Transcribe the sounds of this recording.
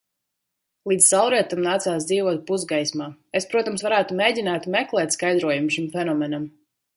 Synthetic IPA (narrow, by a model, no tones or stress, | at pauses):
lˠiːd̪sawɾiɛt̪amnaːt̪saːs̬d̪ziːvɔt̪̚puzɡajsmaːespɾuɔt̪amsvaɾæːt̪umeːɟʲinaːt̪mɛklˠɛːt̪ʲskajd̪ɾuɔjumʃimfɛnɔmɛnam